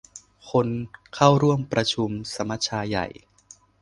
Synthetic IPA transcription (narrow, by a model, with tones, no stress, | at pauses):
kʰo˧nkʰa˥˩wɾu˥˩əmpɾa˧t͡ɕʰu˧msa˩˧˦ma˦˥t̪̚t͡ɕʰaː˧ja̰˨˩j